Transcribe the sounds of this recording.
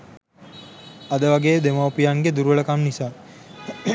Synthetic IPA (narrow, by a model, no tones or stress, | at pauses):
ad̪əʋaɡeːd̪emaupijaŋɡed̪uɾuʋəɭəkamnisaː